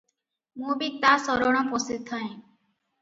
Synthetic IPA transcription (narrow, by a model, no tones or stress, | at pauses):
mobit̪asɔɾoɳ̃oposit̪ʰːae